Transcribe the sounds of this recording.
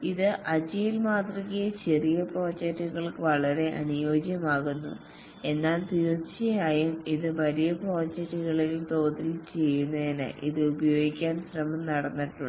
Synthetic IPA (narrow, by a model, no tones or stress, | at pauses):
iðɨʔɐd͡ʑijilmaːt̪rɐkijɐt͡ɕe̞rijɐpro̞ːd͡ʑɐk̚tːuɣɐɭkɨʋɐɭɐɾe̞ʔɐ̰nujo̞ːd͡ʑjɐmaːɣunːṵ | e̞nːaːlt̪iːrt͡ɕɐjaːjumiðɨʋɐɾijɐpro̞ːd͡ʑɐk̚tːuɣɐɭilumt̪o̞ːt̪ilt͡ɕe̞jːunːɐðinɨ̰ʔiðɨubɐjo̞ːɡikʲːaːnɕrɐmɐmnɐɽɐnːiʈːuɳɖɨ